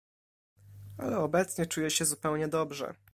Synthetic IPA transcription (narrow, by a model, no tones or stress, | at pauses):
a̰lɛɔbɛt̪sɲɛt͡ʂujɛɕɛzupɛwɲɛd̪ɔbʐɛ̰